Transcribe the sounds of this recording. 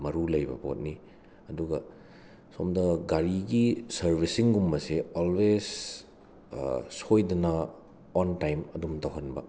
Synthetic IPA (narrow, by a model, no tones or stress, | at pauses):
mɐɾulɐjbɐ̰po̰t̚ni | ɐduɡɐ | somdɐɡaɾiɡisɐɾbʱisiŋɡumːɐseolwes | sojdɐnɐ | ɔntajmɐdumtɐwɦɐnbɐ̰